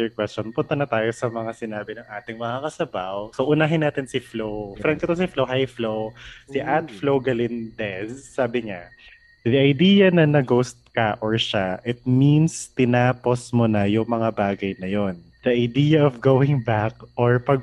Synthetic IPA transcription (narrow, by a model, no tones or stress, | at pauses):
ɛɹkwɛst͡ʃonpʊnt̪ɐnɐt̪aːjo̞sɐmɐŋasɪnaːbɪnɐŋʔaːt̪ɪŋmɐŋakɐsɐbawsoʔʊnaːɦɪnːaːt̪ɪnsɪflowfɾaŋkɐt̪osɪflowɦɐjflowsɪʔat̪̚flowɡɐlɪnd̪ɛzsaːbɪɲa | d̪iʔɐjd̪iːjɐnɐnɐɡowst̪̚kaʔɔɹʃaʔɪt̪̚minst̪ɪnaːposmʊnɐjʊŋmɐŋabaːɡɐjnɐjo̞n | d̪̥ɐʔɐjd̪iːjɐʔɔvɡowɪŋbak̚ʔoɹpɐɡ̚